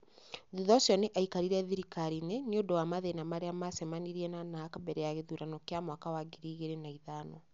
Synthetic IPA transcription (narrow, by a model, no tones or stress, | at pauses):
ðuðɔsjɔneʔaikaɾiɾɛðiɾikaɾineniodowamaðenamaɾeamasɛmaniɾiɛnanakabɛɾɛjaɣeðuɾanɔkjamwakawaɡiɾiɣeɾenaiðanɔ